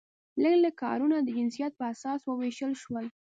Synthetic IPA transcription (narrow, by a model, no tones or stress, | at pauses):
ləɡlakɑ̰ɾunad̪əd͡ʒɪnsijat̪̚pəasɑswəweʃəlʃwəl